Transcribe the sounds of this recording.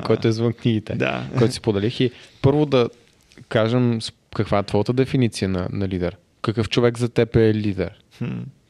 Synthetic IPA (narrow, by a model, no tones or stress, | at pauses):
kɔjt̪oɛzvənkniɡit̪ɛd̪a̰kɔjt̪osi̥spod̪ɛlixipɤɾvʊd̪ɐ | kaʒəms | kɐkvaɛt̪vɔjət̪əd̪ɛfinit̪sijənɐ̰nɐlid̪ɛɾ | kɐkɤft͡ʃovɛɡzɐt̪ɛpɛlid̪ɛ̰ɾ̩